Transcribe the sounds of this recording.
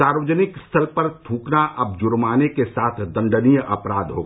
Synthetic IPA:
aːɾʋəd͡ʒnɪkst̪ʰəlpəɾt̪ʰũːknaʔʔɐb̚d͡ʒʊɾmaːnekesaːt̪ʰd̪ə̃ɳɖənijɐpɾaːd̪ɦo̰ɡa

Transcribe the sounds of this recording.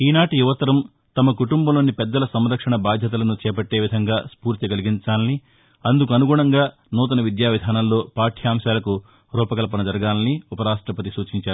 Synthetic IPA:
iːnaːʈijuʋɐt̪ɐɾɐm | t̪ɐmɐkuʈumbɐmloːnːipɛd̪ːɐlɐsɐmɾɐkʂɐɳɐbaːd̪ʱjɐt̪̬ɐlɐnut͡ʃɛːpɐʈːe̞ːʋid̪ʱɐŋɡaːspuːɾt̪iɡɐliɡiɲt͡ʃaːlɐni | ɐnd̪uk̬uɐnuɡuːɳɐŋɡaː | nɔːt̪̬ɐnɐʋid̪jaːʋid̪ʱaːnɐmlo̞ːpaːʈʰijaːmsaːlɐku | ɾɔːpɐkɐlɐpɐnɐd͡ʒɐɾɐɡaːlɐniupɐɾaːʂʈɾɐpɐt̪̬isuːt͡ʃiɲt͡ʃaːɾu

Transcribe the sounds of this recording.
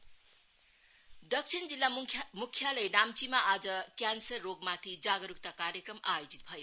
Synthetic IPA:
d̪ʌksʰind͡zilːamukʰːjaləjnamt͡ʃimaʔad͡zʌkjansʌrːoɡmat̪ʰid͡zaɡʌɾuk̚t̪akaɾjəkɾʌmajod͡zit̪̚bʱʌj

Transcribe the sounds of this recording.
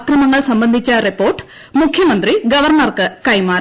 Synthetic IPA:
krɐmɐŋːɐɭsɐmbɐnd̪ʱit͡ɕːɐripːo̞ːrʈːɨ̥ | mukʰjɐmɐnd̪riɡɐʋɐrɳɐrkɨkɐjmaːɾ

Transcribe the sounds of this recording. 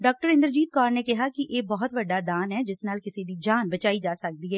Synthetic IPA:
ɖɔːk̚ʈəɾɪ̃nd̪əɾd͡ʒiːt̪̚kaːɾnekɛɦakiʔeːbɔɦʊt̪ʋɐɖːaːd̪aːnɦɛːd͡ʒɪsnaːlkɪsid̪iːd͡ʒaːnbət͡ʃaːid͡ʒaːsək̚d̪iɦɛː

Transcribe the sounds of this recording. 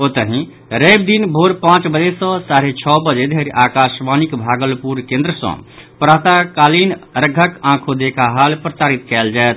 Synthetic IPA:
ot̪əɦĩ | ɾeb̚d̪inbʱoɾpãt͡ʃbəd͡ʒesə̃saɾet͡ʃʰɔbəd͡ʒed̪ʱeɾiʔakasmanikbʱaɡəlpuɾkẽnd̪ɾəsə̰̃pɾat̪akalinɾəɡʱəkãkʰod̪ekʰaɦalpɾəsaɾit̪kɛld͡ʒaet̪̚ʰ

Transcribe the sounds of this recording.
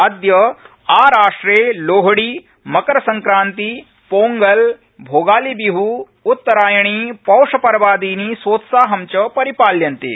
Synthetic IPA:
ɐd̪jɐ | aːɾaːʂʈɾeːloːɦɽiː | mɐkɐɾɐsɐ̃ŋkɾaːnt̪i | poːŋɡɐl | bʱoːɡaːlibiɦuː | t̪ːɐɾaːjɐɳ̃iːpɐwʂɐpɐɾɐʋaːd̪iːniːsʋoːt̪saːɦɐmt͡ʃɐpɐɾipaːljɐnt̪ḛː

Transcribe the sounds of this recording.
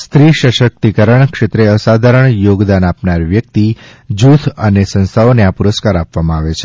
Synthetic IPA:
st̪ɾiʃəʃək̚t̪ikəɾəɳkʃet̪ɾeəsad̪ʱaɾəɳjoɡd̪anapnaɾʋjək̚t̪i | d͡ʒut̪ʰənesə̃ñst̪ʰaoneapuɾəskaɾapʋamãaʋet͡ʃʰe

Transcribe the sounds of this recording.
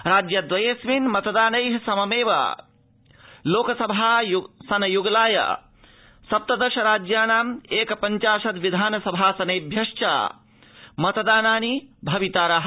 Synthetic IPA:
ɾaːd͡ʒjɐd̪ʋɐjesʋiːnmɐt̪d̪aːnɐjɦsɐmɐmeːʋa̰ | loːkɐsɐbʱajsɐnɐjuɡlaːjɐ̰ | sɐp̚t̪ɐd̪ɐɾʃɐɾaːd͡ʒjaːnaːmeːkpɐɲt͡ʃaːʃɐt̪ʋid̪ʱaːnɐsɐbʱaːsɐneːbʱjɐʃt͡ʃa̰ | mɐt̪d̪aːnaːnibʱɐʋit̪aːɾɐɦ

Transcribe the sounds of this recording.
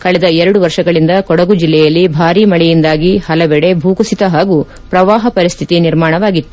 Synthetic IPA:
kɐɭɛd̪ɐɛɾɐɽuʋɐɾʂɐɡɐɭind̪ɐkɔɽɐɡud͡ʒilːɛjɐlːibʱaːɾiːmɐɭɛjind̪aːɡihɐlɐʋɛɽe̞bʱuːkusit̪ɐɦaːɡu | pɾɐʋaːɦɐpɐɾist̪ʰit̪iniɾmaːɳɐʋaːɡit̪ːu

